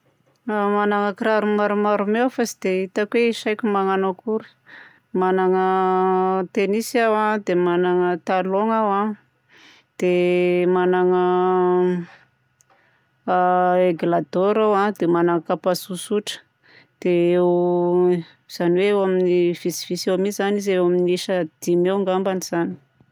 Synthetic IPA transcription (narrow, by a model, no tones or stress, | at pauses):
manaŋəkiɾaɾumaɾumaɾumewfasid̪eit̪akweiʃajkʲumaŋanakuɾi̥ | manaŋə | t̪enisawãd̪emanaŋət̪aloŋawa | d̪̥emanaŋə | eɡlad̪oɾawãd̪emanaŋəkapasusuʈ͡ʂə̥ | d̪̥eew | z̥aniweewaminiv̥isiv̥isewamiianizewaminiʃəd̪̥imewŋɡambaniz̥ani̥